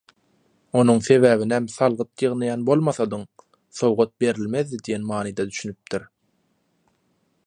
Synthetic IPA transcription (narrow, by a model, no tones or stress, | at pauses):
o̞nuŋθe̞βæːβinæmθɑlˠʁɯt̪jɯʁnɯjɑnbo̞lˠmɑθɑd̪ɯŋ | θo̞wʁot̪̚be̞ɾilʲme̞ðːid̪ijenmɑːnid̪ɑd̪yʃynyp̚t̪ʰiɾ